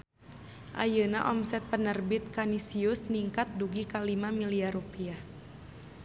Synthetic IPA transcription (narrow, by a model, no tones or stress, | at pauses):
ʔa̰jəna̰ʔɔmsɛt̪̚pənərbit̪̚kanisiusniŋkat̪̚duɡikalimamiliarupiah